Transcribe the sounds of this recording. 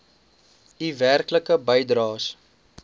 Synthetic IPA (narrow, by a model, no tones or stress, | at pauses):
iværkləkəbəjdrɑːs